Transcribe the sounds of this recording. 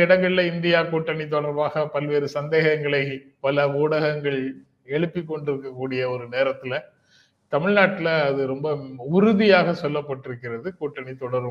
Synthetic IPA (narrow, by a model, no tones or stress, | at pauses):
ɪɽɐŋɡɐɭɪlɐɪnd̪ɪjaːkuːʈːɐɳit̪̬ːɔɽɐɾʋaːɣɐpɐlʋeːɾɯsɐnd̪eːɣɐŋɡɐɭɐɪpɐlɐuːɽɐɣɐŋɡɐɭ | ɛɻɯpːɪkːɔɳɖɪɾɯkːɐkːuːɽɪjɐɔɾɯneːɾɐt̪ːɪlɐ | t̪ɐmɪɻnaːʈːɪlɐːðɯɾɔmbɐʊɾʊðɪjaːɣɐsɔlːɐpːɐʈːɪɾɯkːɪɾɐðɯkuːʈːɐɳit̪ːɔɽɐɾʋɯ